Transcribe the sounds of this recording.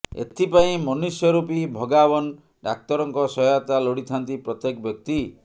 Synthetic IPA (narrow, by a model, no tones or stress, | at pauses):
ḛt̪ʰipaĩmɔnisjɔɾupibʱɔɡabɔn | ɖak̚t̪ɔɾɔŋkɔsɔjat̪alɔɽit̪ʰant̪ipɾɔt̪jekɔbjɔk̚t̪i